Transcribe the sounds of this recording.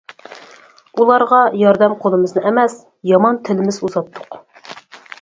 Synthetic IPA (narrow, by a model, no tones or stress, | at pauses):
ulˠɑɾʁɑjɑɾd̪ɛmqʰolˠɨmɨznɨɛmɛs | jɑmɑnt̪ʰɪlɪmɪzuzɑt̪ʰːʊ̥q